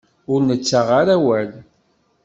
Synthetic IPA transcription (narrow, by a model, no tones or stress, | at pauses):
ʊɾnət͡sːaʁaɾæwæl